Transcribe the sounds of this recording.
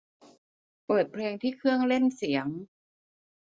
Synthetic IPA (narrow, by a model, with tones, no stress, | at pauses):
pɤː˨˩t̪̚pʰleː˧ŋt̪ʰiː˥˩kʰɯ˥˩əŋle˥˩nsi˩˦əŋ